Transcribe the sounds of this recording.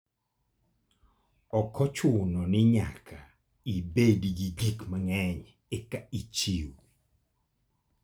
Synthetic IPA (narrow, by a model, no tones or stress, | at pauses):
ɔkːɔt͡ʃʊnɔnɪɲa̰kʰa | ibediɡiɡikmaŋɛɲ | ɛkait͡ʃiw